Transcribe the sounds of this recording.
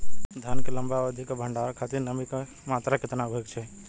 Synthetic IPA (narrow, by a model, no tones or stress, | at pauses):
d̪ʱjankelɐ̃mbaʋəd̪ʱikabʱə̃ɳɖaːɾkʰaːt̪ɪɾnəbika | maːt̪ɾakɪt̪naɡʱoɪkt͡ʃʰɛ